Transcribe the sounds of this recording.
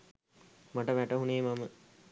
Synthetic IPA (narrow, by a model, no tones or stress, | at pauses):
maʈəʋæʈəɦuneːmamə